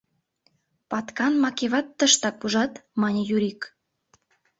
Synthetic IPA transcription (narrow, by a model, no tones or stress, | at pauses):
pɑt̪kɑnmɑkeβɑt̪ːəʃt̪ɑk̚uʒɑt̪mɑnʲijuɾik